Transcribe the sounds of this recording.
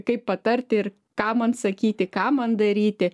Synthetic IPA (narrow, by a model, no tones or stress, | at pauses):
kɐɪppɐt̪ɐɾʲt̪ʲɪɪr | kɑːmɐnsɐkʲiːt̪ʲɪkɑːmɐnd̪ɐɾʲiːt̪ʲɪ